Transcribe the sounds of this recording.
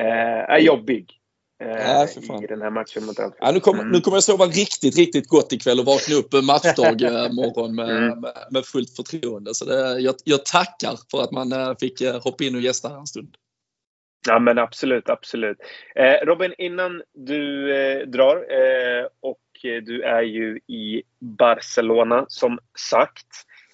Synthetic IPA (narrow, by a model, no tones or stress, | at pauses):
æ̰ɾjɔbːɪɡ | afœɾfa̰ːd̪ɛnhæːɾmat̪ʂənmʊt̪a̰lt̪a̰nʉ̟ːkʰɔmːənʉ̟ːkʰɔmːəjasoːvaɾɪkt̪ɪt̪ɾɪk̚t̪ɪt̪̚ɡɔt̪ːɪkʰvɛlːɔvɑːknaɵpːmat̪ʂd̪ɑːɡmɔrːɔnmɛmɛmɛfɵlt̪fœʈʰɾuːənd̪əsɔd̪ɛjɑjɑːɡt̪ʰakːa̰ɾfœɾat̪manfɪkːhɔpːaɪnːɔjɛst̪ahɾɛnst̪ɵnd̪ | amɛnab̥sɔlʉ̟ːt̪ab̥sɔlʉ̟ːt̪ːɾɔːbɪnɪnːand̪ɵd̪ɾɑːɾ | ɔkʰ | d̪ɵæɾjɵɪ | baɾsɛloːnasɔmsakt̪